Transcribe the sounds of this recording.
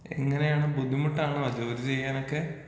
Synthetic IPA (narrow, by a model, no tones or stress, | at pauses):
ḛŋːɐne̞jaːɳɨbud̪ʱːimuʈːɐaːɳɨʋɐd͡ʑoːɾit͡ɕe̞jːaːno̞kːe